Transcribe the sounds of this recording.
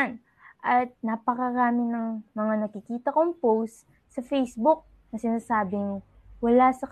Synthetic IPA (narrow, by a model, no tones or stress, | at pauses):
n | ʔɐt̪̚napɐkɐɾaːmɪnɐŋmɐŋanɐkɪkiːt̪ɐkoŋpowst̪ | sɐfejsbʊk̚ | nɐsɪnaːsaːbɪŋ | wɐlasɐk